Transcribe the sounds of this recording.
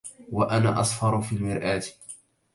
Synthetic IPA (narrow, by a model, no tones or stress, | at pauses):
waʔanaːʔɑsˤfɑɾˤfiːlmɪɾʔaːt̪